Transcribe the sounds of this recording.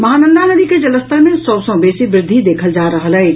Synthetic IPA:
mɐɦaːnə̃nd̪ʱanəd̪iked͡ʒɐləst̪əɾmẽsəwsə̃ːbeːsibɾɪd̪ʱːid̪eːkʰəld͡ʒaːɾəɦəlɦɛː

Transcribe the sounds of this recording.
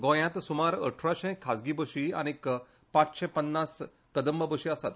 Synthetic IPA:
ɡõjãt̪sumaɾə̰ʈʰɾaɕẽkʰːad͡zɡibəɕia̰ñik | pãt͡sɕɛ̃pənːas | kəd̪əmbəbəɕiasat̪

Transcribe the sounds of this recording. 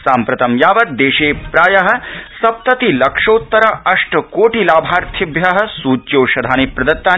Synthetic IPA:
saːmpɾɐt̪ɐmjaːʋɐt̪̚d̪eːʃeːpɾaːjɐɦɐ̆sɐp̚t̪ɐt̪ilɐkʂoːt̪ːɐɾɐɐʂʈɐkoːʈilaːbʱaːɾt̪ʰibjɐɦɐ̆suːt͡ʃjoːʃɐd̪ʱaːnipɾɐd̪ɐt̪ːaː

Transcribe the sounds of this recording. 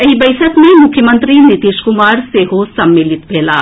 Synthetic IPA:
ɐɦibɐɪʃəkmẽmʊkʰːjəmə̃nt̪ɾinit̪iːʃkʊmaːɾseɦosɐmːɪlɪt̪bʱeːla̰ː

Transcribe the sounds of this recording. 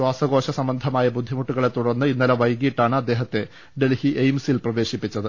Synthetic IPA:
ɕwaːsɐɣo̞ːɕɐsɐmbɐnd̪ʱɐmaːjɐbud̪ʱːimuʈːuɣɐɭe̞t̪ːuɽɐnːɨinːɐlɐʋɐjɣiʈːaːɳɨɐd̪ːe̞ːɦɐt̪ːe̞ | ɖe̞lhiʔejmsilprɐʋe̞ːɕipːit͡ɕːɐðɨ

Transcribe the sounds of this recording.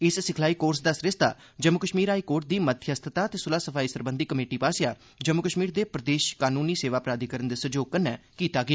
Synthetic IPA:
ɪssɪkʰlaːiːkoːɾsd̪əsɾɪst̪a̰ː | d͡ʒəmːʊkəʃmiːɾɦaːiːkoːɾʈ̚d̪iːmət̪ʰjəst̪ʰət̪aːt̪eːsʊlaːsəpʰaːiːsəɾbənd̪iːkəmeːʈiːpaːsɪjaː | d͡ʒəmːʊkəʃmiːɾd̪eːpɾəd̪eːʃkaːnuːniːseːʋaːpɾaːd̪iːkəɾənd̪eːsəd͡ʒoːɡ̚kənːɛːkiːt̪aːɡɪaː

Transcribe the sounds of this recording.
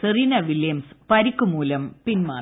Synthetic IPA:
sɨrinɐʋiljɐmspɐɾikːumuːlɐmpinma̰ː

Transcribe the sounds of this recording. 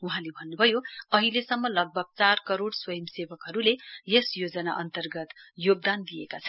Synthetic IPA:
uɦãlebʱʌnːubʱʌjoʌɦilesʌmːʌlʌɡ̚bʱʌɡ̚t͡sarkʌɾoɽswʌjʌmsebʌkɦʌɾulejesjod͡zʌnaʔʌnt̪ʌrɡʌt̪joɡ̚d̪and̪ijekat͡sʰʌn

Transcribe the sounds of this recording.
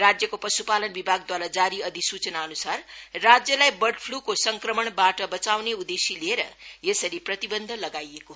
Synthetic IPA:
rad͡zjʌkopʌsupalʌnbibʱaɡ̚d̪waɾad͡zaɾiʌd̪isut͡sʌnaʌnusarːad͡zjʌlajbʌrʈpʰlukosʌŋkrʌmʌɳbaʈʌbʌt͡sawneud̪esilieɾʌjesʌɾiprʌt̪ibʌnd̪ʱʌlʌɡajeko

